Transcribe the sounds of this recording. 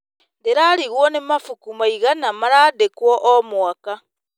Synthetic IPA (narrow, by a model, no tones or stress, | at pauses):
ndeɾaːɾiɣwɔnemafukumaiɣanamaɾadekwɔʔomwaka